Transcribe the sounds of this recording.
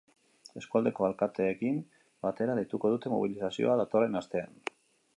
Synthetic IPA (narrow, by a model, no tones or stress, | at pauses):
e̞skuald̪e̞ko̞alkat̪e̞ːkim | bat̪e̞ɾalejt̪uko̞ð̞ut̪e̞mo̰β̞ilisasio̞̰aðat̪o̞re̞nast̪e̞an